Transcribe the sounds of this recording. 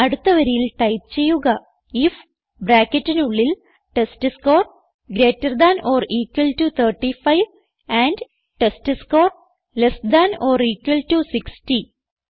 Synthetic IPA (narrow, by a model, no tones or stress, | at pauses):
ɐɽut̪ːɐʋɐɾijilʈɐjp̚t͡ɕe̞jːuɣɐ | if | bɾaːkːetːinuɭːil | ʈestɨskoːr | ɡɾeːtːɐrd̪anʔoːɾiːkʋɐlʈut̪ʰɐrʈːifɐjʋ | æːɳɖ | ʈesʈɨskoːr | lesd̪anoːɾiːkʋɐlʈusiksʈi